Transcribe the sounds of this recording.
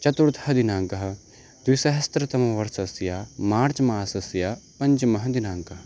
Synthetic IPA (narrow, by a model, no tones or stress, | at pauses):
t͡ʃɐt̪uɾt̪ʰɦɐd̪inaːŋkɐɦ | d̪̥wisɐɦɐst̪ɾət̪ɐmɐʋɐɾsɐsjaːmaːɾt͡ʃmaːsɐsjapɐɲd͡ʒmɐɦɐ̃d̪inaːŋkɐɦ